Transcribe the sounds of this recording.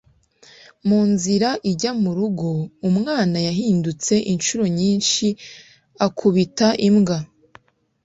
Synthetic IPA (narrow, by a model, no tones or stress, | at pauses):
muːnziɾaʔiɟamuɾuɡoumŋaːnajaɦiːndut͡se̞ʔinʃuɾo̞ɲiːnʃi | akʰuβitaʔimɡa